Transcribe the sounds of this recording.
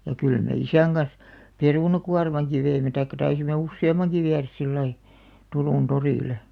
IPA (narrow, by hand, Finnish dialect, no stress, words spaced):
jɑ kyl me isæŋ ɡ̊ɑns peruˑnɑkuɑrmɑŋki ʋeimːe tɑikːɑ tɑisimːe usːeɑmˑɑŋki ʋiæræs silːɑi turuˑn toriˑle